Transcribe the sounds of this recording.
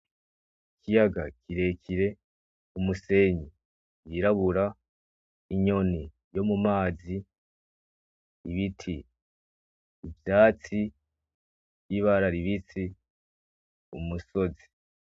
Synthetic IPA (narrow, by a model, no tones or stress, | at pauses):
ikʰijaɡa̰kʰiɾe̞kʰiɾe̞ | umuse̞ɲi | jiɾaβuɾa | iɲo̞ni | jo̞mumaːzi | βitʰi | vjaːt͡si | jiβaɾaɾiβit͡si | umuso̞zi̥